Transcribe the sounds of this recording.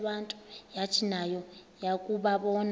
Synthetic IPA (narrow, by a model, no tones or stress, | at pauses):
ɓantʼujat͡ʃʰinajɔjakʼuɓaɓɔn